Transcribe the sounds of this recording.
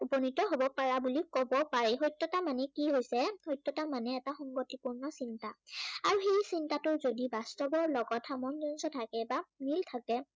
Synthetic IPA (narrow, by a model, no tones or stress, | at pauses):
upɔnitɔɦobɔpaɹabulikɔbɔpaɹɛɦojtːɔtamanɛkiɦojsɛhojtːɔtamanɛːtaxɔŋɡɔtipuɹnɔsintaaɹuxejsintatʊɹzodibastɔbɔɹlɔɡɔthamɔnzɔnsɔtʰakɛbamiltʰakɛ